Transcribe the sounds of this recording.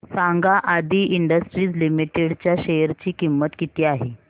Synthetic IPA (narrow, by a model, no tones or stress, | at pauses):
saŋɡaʔad̪iːʔiɳɖəsʈɾiːd͡zlimiʈeɽt͡ɕjaɕeəɾt͡ɕiːkimːət̪kit̪iːaɦe